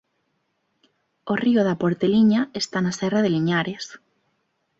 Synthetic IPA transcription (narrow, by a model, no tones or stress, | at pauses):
orioðapoɾt̪eliɲaest̪anasɛraðeliɲaɾes